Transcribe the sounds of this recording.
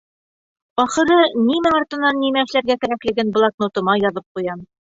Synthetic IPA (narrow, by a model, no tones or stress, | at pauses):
ɒχɤ̆ɾɤnimɘŋŏɾt̪ɤ̆nːɑnːimæɘ̆ʃlæɾɡækɘ̆ɾæklɘ̆ɡɘnblˠɑknŏt̪ɤ̆mɑjɒðɤp̚qujɑn